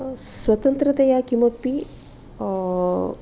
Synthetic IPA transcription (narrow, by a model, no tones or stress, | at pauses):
sʋɐt̪ɐnt̪ɾɐt̪ɐjakimɐpːi